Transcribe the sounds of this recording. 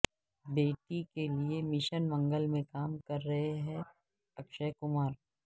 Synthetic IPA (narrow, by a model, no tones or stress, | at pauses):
beːʈikeliemɪʃənmɐ̃ŋɡəlmẽkaːmkɐɾːɐɦeɦɛ̃ː | ɐkʃəkʊmaːɾ